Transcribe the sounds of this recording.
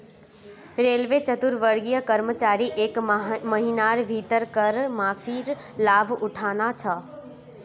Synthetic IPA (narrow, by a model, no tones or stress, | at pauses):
ɾeːlʋet͡ɕɐt̪ʊɾʋəɾɡijəkɐɾmət͡ɕaːɾiʔekmɐɦinaːɾbʱiːt̪əɾkɐɾmãːfʰiɾ | laːbʱʊʈʰaːnat͡ɕʰɐ